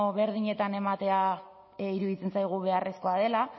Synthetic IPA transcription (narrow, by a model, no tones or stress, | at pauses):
βe̞ɾðiɲe̞t̪ane̞mat̪e̞a | iɾuðit͡se̞nsajɣ̞uβe̞are̞sko̞aðe̞la